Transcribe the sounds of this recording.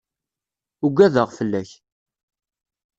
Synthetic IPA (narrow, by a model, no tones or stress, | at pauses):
ʊɡʷæðəʁfəlːæç